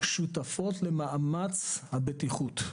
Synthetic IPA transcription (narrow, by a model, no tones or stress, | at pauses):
ʃutafo̞tlemaʔamat͡shabetiχut̪